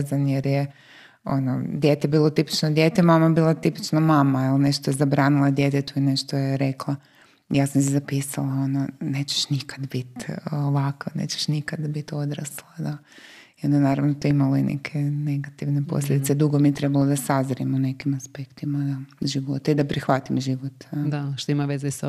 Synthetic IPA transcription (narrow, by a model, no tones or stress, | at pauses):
zanjeɾje | o̞̰nod̪jeːt̪ebiːlˠo̞t̪ipi̥t͡ʃnod̪jeːt̪emamaebiːlat̪ipi̥t͡ʃnomaːmailne̞ʃt̪ojezabɾaːnilˠad̪je̞t̪̬et̪uine̞ʃt̪ojeɾe̞klˠa | jaːsamsezapiːsalˠao̞none̞ːt͡ɕe̥ʃnikḁd̪bit̪oʋakanḛːt͡ɕe̥ʃnikad̪bit̪o̞d̪ɾa̰slˠad̪a | iond̪anaːɾaʋnot̪uimaloinʔḛkʰe̞ne̞ɡat̪iʋne̞po̰slʲed̪it̪sed̪uɡomiet̪ɾe̞balˠod̪asazɾimone̞kimaspekt̪imaaʒiʋo̞t̪aid̪apɾixʋat̪imʒiʋot̪d̪aʃt̪oimaʋezes